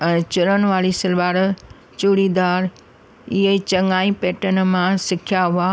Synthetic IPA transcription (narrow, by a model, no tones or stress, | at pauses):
ɛ̃t͡ɕʊɾənʋaːɭisɪlʋaːɾ | t͡ʃuɽid̪aːɾ | iɦət͡ɕɐŋaːĩpeːʈənmãsɪkʰjaɦʊa